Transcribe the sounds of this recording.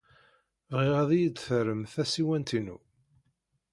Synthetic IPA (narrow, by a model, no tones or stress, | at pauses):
vʁɪʁæðijəd̪θəɾəmθæsiwænt̪inṵ